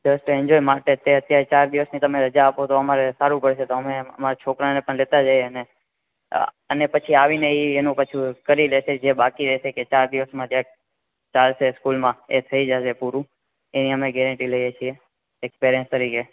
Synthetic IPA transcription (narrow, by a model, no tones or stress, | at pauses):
d͡ʒəsʈɛ̃ɲd͡ʒojmaʈet̪eət̪jaɾet͡ʃaɾd̪iʋəsnit̪əmeɾəd͡ʒaːpot̪oəmaɾesaɾũpəɽʃet̪oəmeəmaɾat͡ʃʰokɾanepəɳlet̪ad͡ʒaieəne | ə̰nepət͡ʃʰiaʋineienũpət͡ʃʰĩkəɾileʃed͡ʒebakiɾɛʃeket͡ʃaɾd̪iʋəsmãd͡ʒ̪ja | t͡ʃalʃeskulmãet̪ʰəid͡ʒaʃepuɾũ | eniɦəmeɡɛɾə̃ɳʈiləjet͡ʃʰie | ekspeɾjə̃nst̪əɾike